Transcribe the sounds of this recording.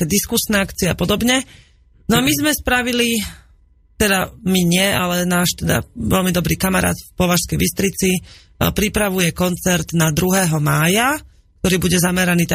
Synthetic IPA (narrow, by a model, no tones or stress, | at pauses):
ɛd̪iskusnɛakt͡siɛapɔd̪ɔbɲɛ | nɔamizmɛspɾaʋili | t̪ɛd̪amiɲɪɛalɛnaːʃt̪ɛd̪a̰ʋɛ̰lmid̪ɔbɾiːkamaɾa̰ːt̪fpɔʋaʃskɛjʋist̪ɾit͡si | pɾipɾaʋujɛkɔnt͡sɛɾt̪nad̪ɾuɦɛːɦɔmaːja | k̚t̪ɔɾiːbuɟɛzamɛɾaniːt̪